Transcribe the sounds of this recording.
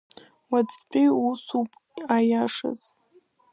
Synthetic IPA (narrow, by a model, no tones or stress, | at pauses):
wat͡sʼt͡pʷʼiusupʼ | ajaʂa̰z̥